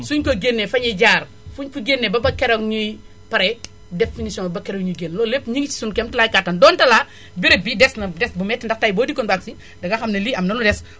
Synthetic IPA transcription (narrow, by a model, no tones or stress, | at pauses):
suɲkɔɡenːɛfɐɲɐɟaːr | fuɲfuɡenːɛbɐbɐkɛɾɐŋɲuj | pɐɾɛ | definisjɔ̃ŋbɐbɐkɛɾoŋɲuɡenlɔːlepːɲiŋɡit͡ʃi̥sunkɛmtɐlajkatːɐndɔːntɐla | biɾɐbidɛsnɐdɛsbumɛtːindɐktaːjbɔːdikːɔnbaksi | dɐɡɐxɐmnɐliɐmnɐludɛs